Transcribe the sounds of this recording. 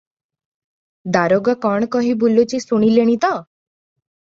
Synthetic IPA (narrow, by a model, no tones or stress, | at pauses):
d̪aɾoɡɔkɔɳ̃kɔɦibulut͡ʃisuɽ̃ileɽ̃it̪ɔ